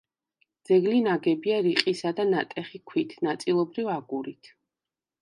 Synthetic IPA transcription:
d̪z̥ɛɡlinaɡɛbiaɾiqʼisad̪anat̪ʼɛχikʰwit̪ʰnat̪sʼilˠɔbɾivaɡuɾit̪ʰ

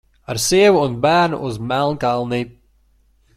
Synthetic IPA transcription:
aɾsiɛvuːnbæːɾnṵʔuzmælˠnkalˠniː

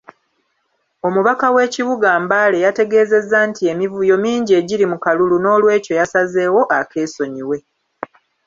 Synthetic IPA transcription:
o̞muβakawe̞ːciβuɡaːmbale̞jate̞ɡe̞ːze̞zːantie̞mivujo̞miːɲɟieɟiɾimukaluluno̞ːlwe̞ːco̞jasaze̞ːwo̞ʔake̞ːso̞ɲiwe̞

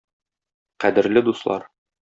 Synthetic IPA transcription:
qæd̪ɘ̆ɾlɘd̪uslˠɑ̰ɾ

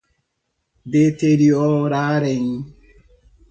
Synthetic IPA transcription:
deteɾiɔɾaɾɛɲ

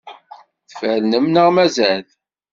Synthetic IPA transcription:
θfəɾnəmnəʁmæzæθ

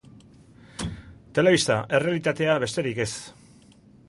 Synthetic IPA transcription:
t̪e̞le̞β̞ist̪aʔe̞re̞alit̪at̪e̞aβe̞st̪e̞ɾike̞s

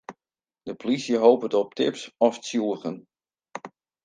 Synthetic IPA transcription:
d̥əpolisjəɦowpətɔp̚tʰɪ̰psɔfsjuəɣən

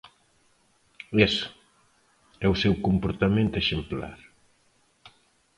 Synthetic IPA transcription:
es | ɛusewkompoɾt̪amẽnt̪eʃempla̰ɾ

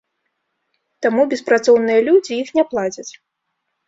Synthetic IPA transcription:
t̪amubʲɛspɾat̪sɔwnɨjɐlʲud͡zʲiixnʲɛplˠad͡zʲɐt͡sʲ

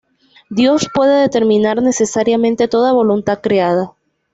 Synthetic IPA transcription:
d̪jo̞spwe̞ðe̞ðe̞t̪e̞ɾmĩnaɾne̞se̞saɾjamẽ̞nt̪e̞t̪o̞ðaβo̞lunt̪aðkɾeaða

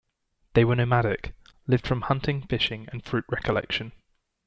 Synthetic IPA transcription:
ðeɪwənəʊmaɾɪklɪvd̥fɹə̃mhʌ̃ntʰɪ̃ŋfɪʃɪ̃ŋə̰̃nfɹʉˑʔɹɛkʰəlɛ̰kʃə̃n

